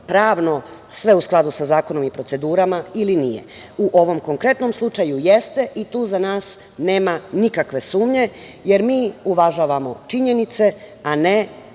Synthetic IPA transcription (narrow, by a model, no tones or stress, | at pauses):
pɾaːʋno̞ | sʋe̞usklˠad̪usazaːko̞no̞mipɾo̞t̪e̞d̪uːɾamailinijḛ | uʔo̞ʋo̞mko̞ŋkɾe̞t̪no̞mslˠut͡ʂajujest̪e̞ʔit̪uːzanaːs | ne̞ːmanikakʋe̞suːmɲe̞ | je̞ɾmiːuʋaʒaːʋamo̞t͡ʃiɲe̞nit̪se̞ | ane